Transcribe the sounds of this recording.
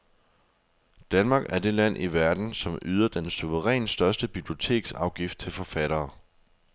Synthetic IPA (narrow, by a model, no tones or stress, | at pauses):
d̥ænmɑ̈ːɡ̥æɐd̥e̝læn̰ʔiʋæɐd̥n̩sɒ̽myð̞ˠɐd̥ensuʋəʁɛ̰ːnsd̥ɶɐsd̥əb̥ib̥lio̝t͡sʰe̝̰ːɡ̥sɑ̈ʊɡ̥ifd̥̚t͡sʰe̝lfɒ̽fæɾ̥ɐː